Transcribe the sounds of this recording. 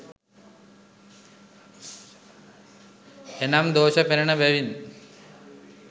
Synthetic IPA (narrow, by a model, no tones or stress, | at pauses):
enamd̪oːʃəpeɾɐɳəbæʋin